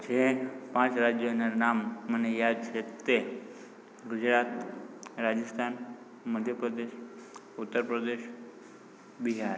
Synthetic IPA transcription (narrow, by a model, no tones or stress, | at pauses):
t͡ʃʰepãt͡ʃɾad͡ʒjonanamːənejad̪̚t͡ʃʰet̪e | ɡʊd͡ʒɾat̪ɾad͡ʒəst̪ʰan | məd̪ʱjəpɾəd̪eʃ | ut̪ːəɾpɾəd̪eʃ | biɦaɾ